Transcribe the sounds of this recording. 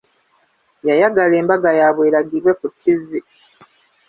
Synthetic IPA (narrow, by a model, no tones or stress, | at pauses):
jajaɡale̞ːmbaɡajaβweːɾaɡiɾwe̞kutːizi